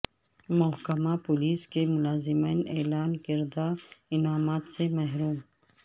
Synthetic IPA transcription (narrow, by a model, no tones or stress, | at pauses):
mʊɦkɐmapʊliːskemʊlaːzɪmiːneːlaːnkɪɾd̪aɪnaːmaːt̪semɐɦɾuːm